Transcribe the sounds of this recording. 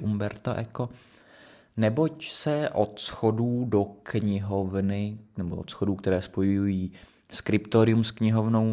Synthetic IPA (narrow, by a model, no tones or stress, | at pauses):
ʔumbɛɾt̪aʔɛko̞ | nɛbo̞csɛʔot̪sxo̞duːdokɲɪɦovnɪnɛboʔot̪sxoduːkt̪ɛɾɛːspo̞jjujiː | skɾɪpt̪oɾɪumskɲɪɦovno̞w